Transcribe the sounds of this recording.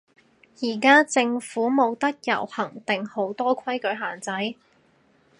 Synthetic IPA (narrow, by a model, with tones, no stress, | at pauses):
jiː˨˩kaː˥t͡sɪ˧ŋfuː˨˥mo˨˧wt̪ɐ˥k̚jɐ̰˨˩whɐ˨˩ŋt̪ɪ˨ŋho˨˥wt̪ɔː˥kʷʰwɐ˥jkɵ˨˥ɥɦaː˨˩nt͡sɐ˨˥j